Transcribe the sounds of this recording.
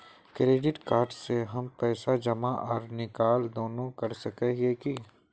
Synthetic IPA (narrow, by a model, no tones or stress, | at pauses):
kɾeːɖɪʈkaːɾɖseɦɐmpɛːsad͡ʒɐmaʔɔːɾnɪkaːld̪oːnõkɐɾsɐkɛeki